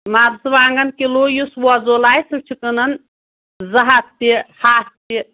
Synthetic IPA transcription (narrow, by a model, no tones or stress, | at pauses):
maːd̪sɨʋaːŋɡɐnkiloːjuswɔzoːlaːjsɨt͡ʃʰikənɐn | zɐɦɐst̪ːihaːst̪i